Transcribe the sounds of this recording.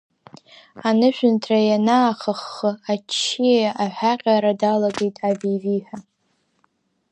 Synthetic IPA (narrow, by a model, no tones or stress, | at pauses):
anɨʃʷᶣʏntʰrajanaːχəχːəat͡ʃʰːijaʔaħʷᶣaqʲʼaɾadalaɡejtʼavijviħʷᶣa